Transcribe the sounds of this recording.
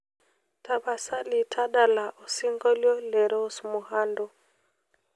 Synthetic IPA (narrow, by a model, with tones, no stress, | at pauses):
ta˨ɓa˨sa˦li˨tʰa˦ɗa˨la˨ʔo˨si˦ŋɡɔ˦ljɔ˦lɛ˨ɾɔ˦smu˨ha˦ndɔ˦˨